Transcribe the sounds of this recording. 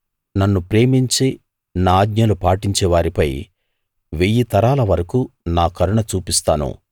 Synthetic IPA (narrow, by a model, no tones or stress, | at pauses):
nɐnːupɾe̞ːmiɲt͡ʃi | naːɡ̪ɲɐlupaːʈiɲt͡ʃɛːʋaːɾipɐj | ʋejit̪ɐɾaːlɐʋɐɾɐkunaːkɐɾuɳɐt͡ʃuːpist̪aːnṵ